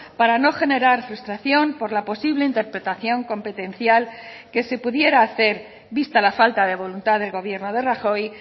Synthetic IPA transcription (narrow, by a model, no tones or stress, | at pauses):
paɾano̞xe̞ne̞ɾaɾfɾust̪ɾaθjo̞mpo̞ɾlapo̞siβle̞int̪e̞ɾpɾe̞t̪aθjo̞ŋko̞mpe̞t̪e̞nθjal | ke̞se̞puðje̞ɾaːθe̞ɾ | βist̪alafalt̪aðe̞β̞o̞lunt̪aðe̞lɣo̞β̞je̞ɾno̞ð̞e̞raxo̞j